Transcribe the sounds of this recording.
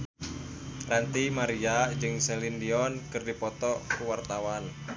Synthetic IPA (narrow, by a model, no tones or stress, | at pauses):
rant̪imaɾiad͡ʒɨŋsɛlindiɔnkɨrdipɔt̪ɔkuwart̪awan